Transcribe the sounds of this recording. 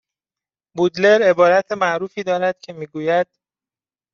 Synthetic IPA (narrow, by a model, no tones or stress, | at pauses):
bud̪le̞ɾe̞bɒːɾæt̪ʰemæʔɾuːfiːd̪ɒːɾæd̪̥cʰe̞miːɡuːjæd̪̥̚